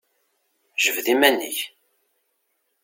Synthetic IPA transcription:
ʒəvðimænːə̰ç

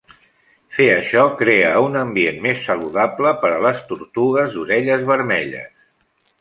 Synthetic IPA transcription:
feəʃɔkɾeəunəmbienmesːəluðapləpəɾələst̪uɾt̪uɣəzðuɾɛʎəzβəɾmɛʎə̰s

